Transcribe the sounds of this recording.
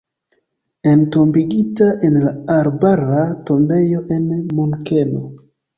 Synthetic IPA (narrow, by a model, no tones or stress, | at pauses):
entombiɡitaʔenlaaɾbaɾato̞mbe̞jo̞ʔe̞nmuŋkeno